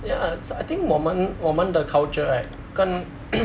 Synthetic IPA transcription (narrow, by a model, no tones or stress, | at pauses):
jasajt̪ĩŋkmɔmə̃nwɔmə̃ndəkʰawt͡ʃəa | kɔ̃n